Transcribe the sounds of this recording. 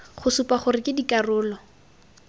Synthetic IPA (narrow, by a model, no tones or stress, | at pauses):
χʊsupaχʊrɪkɪdikarʊːlɔ